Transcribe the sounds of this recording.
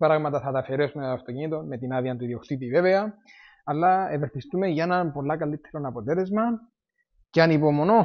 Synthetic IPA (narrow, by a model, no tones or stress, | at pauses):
pɾaɣmɐt̪ɐθɐt̪ɐfeɾe̞sumet̪oɐft̪o̞cinit̪o̞nme̞t̪inaðiɐnt̪uiðiokt̪it̪iveve̞ɐː | lːɐeveθist̪ume̞ʝɐenɐnpo̞lːɐkɐlːit̪ʰːeɾo̞nɐpot̪e̞le̞zmɐn | ceɐnipo̞mono̞